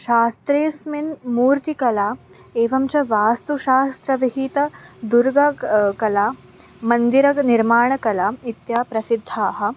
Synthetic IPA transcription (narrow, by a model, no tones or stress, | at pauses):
ʃaːst̪ɾeːsminmuːɾt̪ikɐlaː | eːʋɐmt͡ʃɐʋaːst̪uʃaːst̪ɾɐʋiɦit̪ɐd̪uɾɡɐkɐlaː | mɐnd̪iɾɐniɾmaːɳɐkɐlaːit̪jaːpɾɐsid̪ʱːaːɦɐ̆